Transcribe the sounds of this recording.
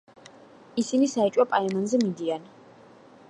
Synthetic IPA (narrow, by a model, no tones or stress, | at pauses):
isinisaɛt͡ʃʼwapʼaɛmanzɛmid̪ian